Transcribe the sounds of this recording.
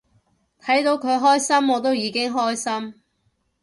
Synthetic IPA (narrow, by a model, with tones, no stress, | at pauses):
t̪ʰɐ˨˥jt̪o˨˧wkʰɵ˨˧ɥɦɔː˥jsɐ˥mɔː˨˧t̪̬o˥wjiː˨˧kɪ˥ŋɦɔː˥jsɐ˥m